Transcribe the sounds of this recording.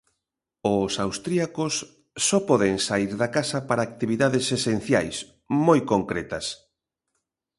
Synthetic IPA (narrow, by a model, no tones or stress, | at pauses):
ʊsawst̪ɾiakʊsː | ɔpɔðeŋsaiɾðakasɐpaɾaːk̚t̪iβiðaðɪsesen̟θja̰js | mojkoŋkɾet̪ɐs